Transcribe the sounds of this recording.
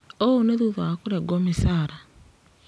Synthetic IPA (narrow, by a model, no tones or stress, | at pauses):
ooneðuðoakuɾeɡomisaːɾa